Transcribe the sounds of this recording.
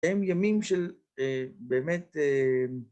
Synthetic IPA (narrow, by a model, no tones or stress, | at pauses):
emjamimʃel | ebeːmet̪e